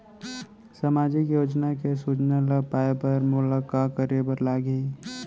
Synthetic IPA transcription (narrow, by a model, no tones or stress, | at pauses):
samaːd͡ʒɪkjoːd͡ʒnakesut͡ʃnaləɡpaːepəɾmʊləkakəɾebəɾlaːɡĩ